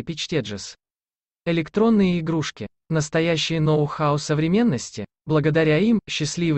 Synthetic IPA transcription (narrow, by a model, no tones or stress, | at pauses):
pʲɪt͡ɕtʲeʐɨs | ɪlʲɪkt̪ɾo̞nːɨjəɪɡɾuʂkʲɪ | nəst̪ɐjæɕːɪjənovʊxaʊsːəvɾʲɪmʲe̞nːəsʲtʲɪ̰ | blˠəɡəd̪ɐɾʲaimɕːɪsʲlʲivɨ